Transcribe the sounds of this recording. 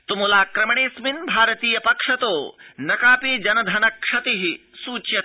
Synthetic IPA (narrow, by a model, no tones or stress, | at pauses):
t̪umulaːkɾɐmɐɳeːsminbʱaːɾɐt̪iːjɐpɐkʂɐt̪oːnɐkaːpid͡ʒɐnɐd̪ʱɐnɐkʂɐt̪iɦi | suːt͡ʃjɐt̪